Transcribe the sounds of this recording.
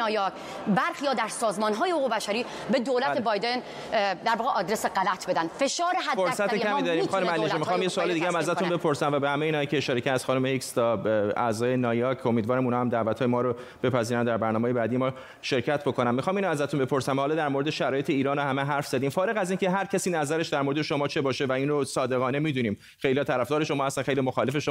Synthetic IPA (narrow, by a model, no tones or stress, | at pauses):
jɒk | bæɾxijɒːd̪æɾsɒːzmɒːnɦɒːjehoɣubæʃæɾiː | bed̪olæt̪ʰebɒjd̪en | d̪æɾvɒːɣeʔɒːd̪ɾeseɡælæt̪ʰbe̞d̪ænd̪̥fe̞ʃɒːɾeɦæfoɾsæt̪eæmimd̪ɒɾiːmxɒːnumælieʃimiɒːmjesoɒːled̪iɡeæmæzæt̪unbe̞pʰo̞ɾsæmvæbehæmejiːnɒjicʰeːʃɒːɾecʰæɾsxɒːnumehikst̪ʰɒːæzɒːje̞nɒːjɒːcʰomiːd̪vɒːɾæmuːnhɒːhæmd̪æːvæt̪ʰhɒːjemɒːɾo | b̥e̞pʰæziɾænd̪æɾbæɾnɒːmeːje̞bæːd̪ijemɒː | ʃe̞ɾcʰæt̪ʰbo̞kʰo̞næmːixɒːminoæzæt̪ʰunbe̞pʰo̞ɾsæmhɒːlɒːd̪æɾmo̞ɾe̞d̪eʃæɾɒːje̞t̪ʰe̞iːɾɒːnohæmeɦæɾfz̥æd̪iːmfɒːɾe̞ɣæzincʰe̞ɦæɾcʰæsiːnæzæɾeʃd̪æɾmo̞ɾed̪eʃo̞mɒːt͡ʃʰebɒːʃe̞væiːnrosɒːd̪e̞ɣɒːne̞miːd̪uniːm | xejliːhɒːt̪ʰæɾæfd̪ɒːɾe̞ʃo̞mɒːhæst̪ænxejlimoxɒːle̞feʃo